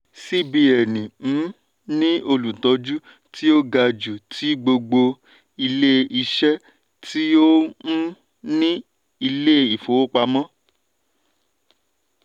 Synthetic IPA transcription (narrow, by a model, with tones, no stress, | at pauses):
si˦bi˧ɛ˨nĩ˨˦ | nĩ˦o˧lũ˨tɔ˧d͡ʒu˦ | ti˦o˦ɡa˧d͡ʒu˨tʰi˨˦ɡ͡bo˧ɡ͡bo˧ | i˧le˦i˧ʃɛ˦ | ti˦õ˦ | nĩ˦ | i˧le˦i˨fo˨o˦k͡pa˧mɔ̃˦